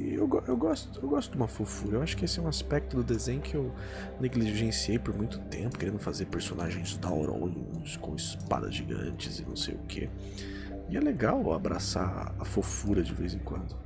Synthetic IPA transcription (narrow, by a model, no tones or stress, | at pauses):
ḛwɡɔʔewɡɔst̪ʊewɡɔst̪ʊd̪ũmɐfofuɾɐewaʃʊ̥kɪesɪɛũaspɛk̚t̪ʊd̪ʊd̪ezẽj̃ʊkʰɪew | neɡliʒẽsiejpʊɾmũj̃t̪ʊ̥t̪ẽmpʊkeɾẽnd̪ʊfazeɾpeɾsonaʒẽj̃zd̪awɾõ̰lũskõɪspa̰d̪ɐ̰zʒiɡɐ̰̃t͡ʃɪzɪnɐ̰̃w̃sḛjʊkʰḛ | ɪɛleɡawa̰bɾa̰sa̰afofuɾɐd͡ʒɪvejzẽkwɐ̃nd̪ʊ